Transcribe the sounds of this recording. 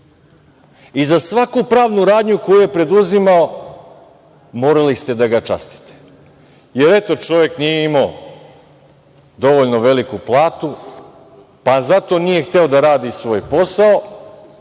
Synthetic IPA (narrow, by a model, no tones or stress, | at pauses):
izasʋakupɾaːʋnuɾaːd̪ɲuko̞juje̞pɾe̞d̪uzimao | moːɾalist̪e̞d̪aɡat͡ʃa̰st̪i̥t̪e̥ | je̞ɾe̞t̪o̞t͡ʃo̞ʋje̞knijeimao | d̪o̞ʋoʎnoʋe̞likuplˠaːt̪u | pazat̪o̞ːnije̞xt̪e̞o̞d̪aɾaːd̪isʋo̞ːjpo̞sao